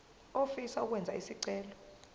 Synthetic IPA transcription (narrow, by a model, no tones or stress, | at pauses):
ofisauk̬wɛnd͡zʱaisiǀɛːlɔ